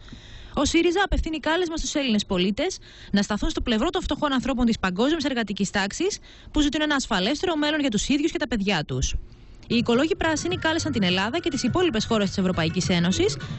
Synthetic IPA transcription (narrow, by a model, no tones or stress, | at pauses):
o̞siɾizɐːpe̞fθinikɐle̞zmɐst̪use̞line̞spo̞lit̪e̞s | nɐst̪ɐθunst̪o̞ple̞vɾo̞t̪o̞ɱft̪o̞xo̞nɐnθɾo̞p̬o̞nt̪ispɐŋɡo̞zmiese̞ɾɣɐt̪icist̪ɐksis | puzit̪une̞nɐːsfɐle̞st̪e̞ɾo̞me̞lo̞nʝɐt̪usiðʝusce̞t̪ɐpe̞ðʝɐt̪us | iːko̞lo̞ʝipɾɐsinikɐle̞sɐnt̪ine̞lɐðɐce̞t̪isipo̞lipe̞sxo̞ɾe̞st̪i̥se̞vɾo̞pɐicise̞no̞sis